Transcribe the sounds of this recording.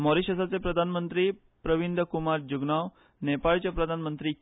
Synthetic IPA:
mɔɾiɕəsat͡sepɾəd̪ʱanmənt̪ɾiː | pɾəʋind̪ʱəkumaɾd͡ʑuɡnaʋ | nepaɭt͡ɕjapɾəd̪ʱanmənt̪ɾiː

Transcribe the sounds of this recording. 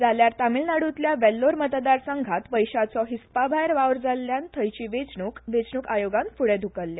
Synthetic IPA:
d͡zaljaɾt̪amilnaɽut̪ljaʋɛlːoɾmət̪d̪aɾsəŋɡʱat̪ʋəjɕat͡sɔɦispabʱajɾʋaʋɾd͡zalːjant̪ʰəjt͡ɕiːʋet͡sɳukʋet͡sɳuːkajoɡãnfuɽẽd̪ʱukəlːja

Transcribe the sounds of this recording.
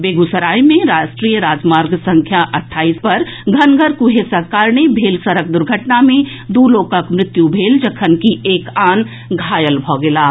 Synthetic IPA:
beːɡusəɾaːimẽɾaːʃʈɾiːjəɾaːd͡ʒmaːɾɡsɐ̃ŋkʰjaʔɐʈʰːaːiːspɐɾ | ɡʱɐnɡʱəɾkuɦeːsəkaːɾɳebʱeːlsəɾək̚d̪ʊɾɡʱəʈnamẽ | d̪uːloːkəkmɾɪt̪jubʱeːld͡ʒəkʰənkieːkaːn | ɡʱaːjəlbʱɔːɡɪlaː

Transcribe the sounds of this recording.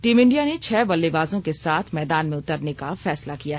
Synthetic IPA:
ʈiːmɪ̃ɳɖijanet͡ʃʰɛːbɐlːebaːzõkesaːt̪ʰmɛːd̪aːnmẽʊt̪əɾnekafɛːslakijaːɦɛ

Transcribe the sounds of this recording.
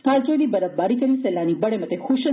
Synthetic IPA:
kalt͡ʃojd̪ibəɾəfbaɾikəɾiselːanibəɽemət̪exuʃə

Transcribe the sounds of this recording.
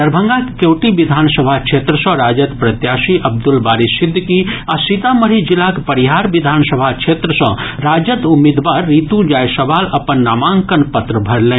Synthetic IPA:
əɾbʱə̃ŋɡakkewʈiʋid̪ʱaːnsəbʱakt͡ʃʰet̪ɾəsɔ̃ɾaːd͡ʒət̪pɾət̪jaːsiʔɐb̚d̪ulbaːɾisid̪ʱːkiasit̪aməɾid͡ʒilakpəɾiɦaːɾʋid̪ʱaːnsəbʱakt͡ʃʰet̪ɾəsɔ̃ɾaːd͡ʒət̪umid̪ʋaːɾːit̪ũd͡ʒajsəʋaːlɐpənːaːmaːŋkənpət̪ɾəbʱəɾlẽː

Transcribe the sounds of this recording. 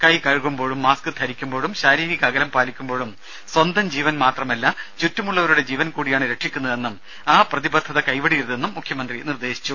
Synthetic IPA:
kɐjkɐɻkumbo̞ːɻumːaːskɨt̪ʰɐɾikʲːumbo̞ːɻumɕaːɾiːɾiɣɐɐɡɐlɐmpaːlikʲːumbo̞ːɻum | swɐnd̪ʱɐmd͡ʑiːʋɐnmaːt̪rɐmɐlːɐt͡ɕutːumuɭːɐʋɐɾuɽe̞d͡ʑiːʋɐnkuːɽijaːɳɨɾe̞ʈʂikʲːunːɐðe̞nːum | aːprɐðibɐt̪ʰːɐðɐkɐjʋɐɽijiɾunːe̞nːumːukʰjɐmɐnd̪rinird̪e̞ːɕi̥t͡ɕːu

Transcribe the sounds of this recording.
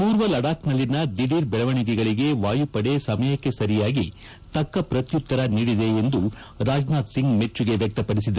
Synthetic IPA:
puːɾʋɐlɐɽaːknɐlːinɐd̪iɽiːɾbɛɭɐʋɐɳiɡɛɡɐɭiɡe̞ʋaːjupɐɽesɐmɐjɐkːe̞sɐɾijaːɡi | t̪ɐkːɐpɾɐt̪jut̪ːɐɾɐniːɽid̪e̞ːnd̪u | ɾaːd͡ʒnaːt̪siŋɡme̞t͡ʃːuɡe̞ʋjɐk̚t̪ɐpɐɽisid̪ɐ

